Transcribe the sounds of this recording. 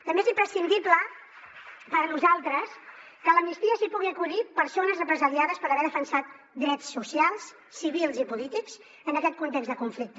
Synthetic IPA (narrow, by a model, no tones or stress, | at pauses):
t̪əmbeezimpɾəsind̪iblə | pəɾnuzalˠt̪ɾəs | kələmnist̪iəsipuɣiəkuðipəɾsonəzrəpɾəzəɾiaðəspəɾəβɛɾðəfənsat̪ | d̪ɾɛt͡sːusialˠs | sːiβilˠzipulit̪ikz | ənəkɛt̪̚kunt̪ekɡzðəkuɱflik̚t̪ə